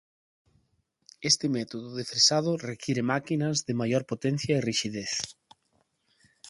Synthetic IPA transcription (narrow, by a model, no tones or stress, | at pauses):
est̪ɪmɛt̪oðʊðefɾesað̞ʊrekʰiɾemakinɐzðemajoɾpot̪ɛn̟θjɐeriʃiðeθ